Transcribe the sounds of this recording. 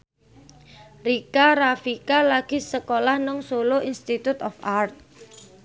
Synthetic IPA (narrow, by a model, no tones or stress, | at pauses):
rikaɾafikalaɡ̥i̤səkolahnɔŋsoloʔinst̪it̪ut̪ɔfart̪̚